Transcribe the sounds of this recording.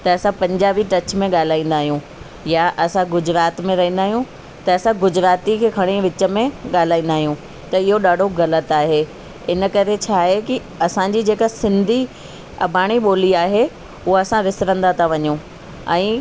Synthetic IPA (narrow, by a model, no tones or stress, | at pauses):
t̪ɐːsãpɐ̃ɲd͡ʑaːʋiʈɐt͡ɕmẽɠaːl̤aːĩːnd̪aːɦijũ | jaʔɐsãɡʊd͡ʑɾaːt̪mẽɾɐɦĩːnd̪aːɦijũ | t̪ɐɐsãɡʊd͡ʑɾaːt̪ikʰeːkʰɐɽ̃iʋɪt͡ɕə̆mẽɠaːl̤aːĩnd̪aːɦijũ | t̪ɐɪɦoɗaːɖʱoɣɐlət̪aːɦe | ɪnəkɐɾet͡ɕʰaːɦeki | ɐsãd͡ʑiːd͡ʑeːkasɪ̃nd̪ʱi | ɐ̰bʱaːɽ̃iɓoːliaːɦe | uɦaɐsãʋɪsɾə̃nd̪at̪ʰaʋɐɲũ | ɛ̰̃ː